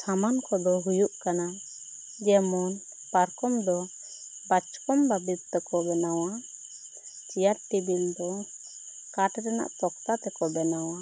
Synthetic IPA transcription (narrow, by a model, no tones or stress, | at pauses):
samankɔd̪ɔɦujuʔkana | d͡ʒɛmɔn | paɾkɔmd̪ɔ | bat͡ʃkɔmbabit̪t̪ɔkɔbɛnawa | t͡ʃijaɾʈibild̪ɔ | kaʈɾɛna̰ʔt̪ɔkt̪at̪ɛkɔbɛnawa